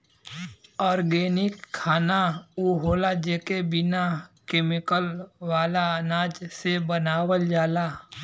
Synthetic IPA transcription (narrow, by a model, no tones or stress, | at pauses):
ɔːɾɡeːnɪkʰːaːnauːɦoːlad͡ʒeːkebɪnakeːmɪkəlwaːlaənaːd͡ʒsebənaːwəld͡ʒaːlaː